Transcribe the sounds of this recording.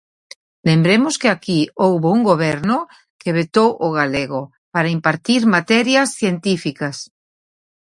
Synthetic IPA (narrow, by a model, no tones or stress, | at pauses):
lembɾemoskeakiowβouŋɡoβeɾno | keβet̪owʔoɣaleɣo | paɾaimpaɾt̪iɾmat̪ɛɾjasθjent̪ifikas